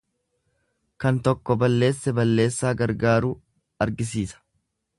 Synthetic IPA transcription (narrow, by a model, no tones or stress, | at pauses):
kɐnt̪ɔkːɔbɐlːe̞ːsːɛbɐlːe̞ːsːaːɡɐɾɡaːɾuː | ɐɾɡɪs̬iːsɐ̥